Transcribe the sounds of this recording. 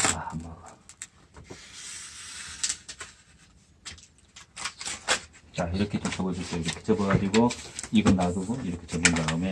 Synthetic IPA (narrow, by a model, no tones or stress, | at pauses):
ahambʌɡa | t͡ɕaiɾʌkʰe̞t͡ɕomt͡ɕʌbʌd͡ʑusʌjoiɾʌkʰe̥t͡ɕʌbʌɾadiɡoiɡʌnnaɡuɡoiɾʌkʰe̞t͡ɕʌmundaɯme̞